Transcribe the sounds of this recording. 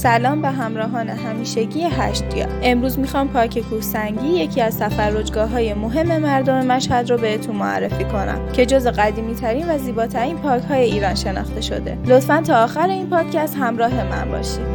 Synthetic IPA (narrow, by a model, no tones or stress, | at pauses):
sælɒːmbeɦæmɾɒːɦɒːne̞ɦæmiːʃeɟiːjeɦæʃt̪jɒ̰ːe̞mɾuːzmixɒːmpʰɒːcʰe̞kʰuːhsæŋɟiːje̞kʰiːæzt̪ʰæfæɾːo̞d͡ʒɡɒːɦɒːje̞mo̞ɦe̞mːe̞mæɾd̪o̞me̞mæʃhæd̪ɾobehet̪ʰunnmoæ̰rːe̞fiːkʰo̞næ̰mcʰe̞d͡ʒo̞zeɣæd̪iːmiːt̪ʰæɾiːnvæziːbɒːt̪ʰæɾiːnpʰɒːɾchɒːje̞iːɾɒːnʃe̞nɒ̰xt̪e̞ʃo̞̰d̪e̞̰lo̞t̪fænt̪ʰɒːxæɾe̞iːnpʰɒːd̪̥cʰæst̪hæmɾɒːɦe̞mæ̰nbɒ̰ːʃid̪̥